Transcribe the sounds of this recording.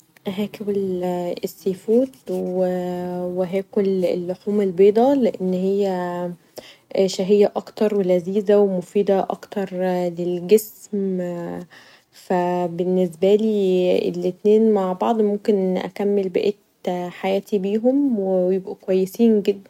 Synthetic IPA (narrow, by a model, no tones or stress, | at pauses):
ʔæɦæːkebelesːeːfuːd̪weweɦæːkolelːoħuːmelbeːd̪ˤɑleʔenːhejːæ | ʃæɦejːæʔɑkt̪ɑɾˤwelæziːzæwemofiːd̪æʔɑ̰kt̪ɑɾˤlelɡesm | fæbenːesbæliːḛlet̪neːnmaʕbɑʕd̪ˤmomkenʔæ̰kæmːelbæʔeːt̪ħajæːt̪ʰibiːɦomwejebʔækowæjːesiːnɡed̪ːæn